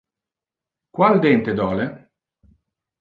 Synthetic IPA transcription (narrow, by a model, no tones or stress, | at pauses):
kwald̪ɛnt̪ed̪ɔle